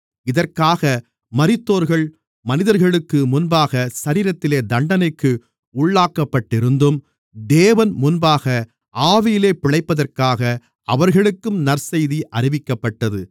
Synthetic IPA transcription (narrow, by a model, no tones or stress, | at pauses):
ɪðɐrkaːɣɐ | mɐɾɪt̪ːoːɾɣɐɭ | mɐnɪðɐɾɣɐɭɯkːɯmʊnbaːɣɐsɐɾiːɾɐt̪ːɪleːd̪ɐɳɖɐnɐɪkːɯ | ʊɭːaːkːɐpːɐʈːɪɾɯnd̪ɯm | d̪eːʋɐnmʊnbaːɣɐ | ʔaːʋɪjɪleːpɪɭɐɪpːɐðɐrkaːɣɐ | ɐʋɐɾɣɐɭɯkːɯmnɐɾsɐjðiʔɐɾɪʋɪkːɐpːɐʈːɐðɯ